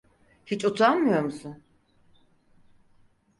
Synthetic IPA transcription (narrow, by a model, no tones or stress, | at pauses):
hit͡ʃʼut̪ʰanmɯjoɾmusun